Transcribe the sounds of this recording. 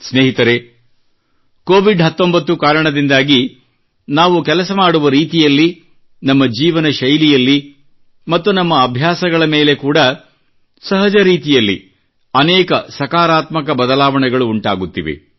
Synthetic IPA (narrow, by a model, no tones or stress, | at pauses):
sneːɦit̪ɐɾe | koːʋiɖɦɐt̪ːo̞mbɐt̪ːukaːɾɐɳɐd̪ind̪aːɡi | naːʋukɛlɐsɐmaːɽuʋɐɾiːt̪ijɐlːi | nɐmːɐd͡ʒiːʋɐnɐʃɐjlijɐlːi | mɐt̪ːunɐmːɐːbʱjaːsɐɡɐɭɐmeːle̞kuːɽɐ | sɐɦɐd͡ʒɐɾiːt̪ijɐlːḭ | ɐnɛːkɐsɐkaːɾaːt̪mɐkɐbɐd̪ɐlaːʋɐɳɛɡɐɭuːɳʈa̰ːɡut̪ːiʋḛ